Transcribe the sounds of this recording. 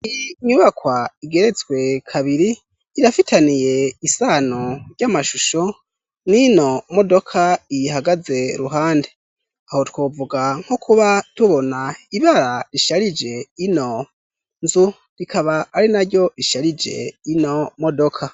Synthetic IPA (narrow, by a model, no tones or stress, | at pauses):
iɲuβakwaiɡe̞ɾe̞t͡swe̞kʰaβiɾiː | ɾafitʰanije̞isanoɾɟamaʃuʃo̞ | nino̞mo̞do̞kʰaihaɡaze̞ɾuɦaːnde | aho̞twoːvuɡaŋ̥hokʰuβatuβo̞naiβaɾaɾiʃaɾid͡ʒe̞ino̞ | nzu | ɾikʰaβaːɾinaɾjo̞iʃaɾid͡ʒe̞̰ino̞modokʰa